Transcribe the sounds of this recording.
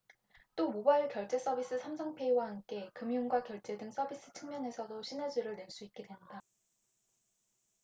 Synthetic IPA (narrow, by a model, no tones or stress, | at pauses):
t͈omobaiɭkjʌɭt͡ɕ͈e̞s͈ʌbis͈ɯsʰamsʰʌŋpʰe̞iwahank͈e̞kɯmjunɡwakjʌɭt͡ɕ͈e̞dɯŋs͈ʌbis͈ɯ̥t͡ɕʰɯŋmjʌne̞sʰʌdoɕʰined͡ʑiɾɯɭne̞ɭs͈uit̚k͈e̞dwe̞nda